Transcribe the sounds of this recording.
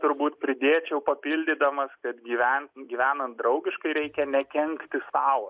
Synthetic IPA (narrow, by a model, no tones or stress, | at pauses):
t̪ʊɾbuːt̪pʲɾʲɪd̪ʲeːt͡ʃʲɛʊpɐpʲilʲd̪ʲɪd̪ɐmɐskɐt̪ɡʲiːʋʲænɡʲiːʋʲæːnɐnt̪̚d̪ɾɒʊɡʲɪʃkɐɪɾʲɛɪkʲɛnʲɛkʲɛŋkt̪ʲɪsɑːʊɐ